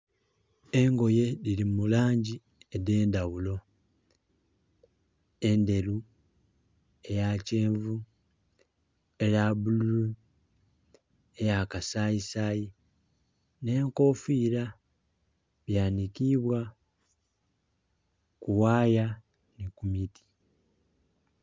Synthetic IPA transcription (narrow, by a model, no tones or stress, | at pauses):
e̞ŋɡo̞je̞lilimulaːɲɟi | ede̞ːndawulo̞ | e̞nde̞lu | e̞jace̞ːɱvu | elabulu | ejakasaisaji | ne̞ːŋko̞fiːɾa | βjaːnikiβwa | kuwaːja | nikumitʰi̥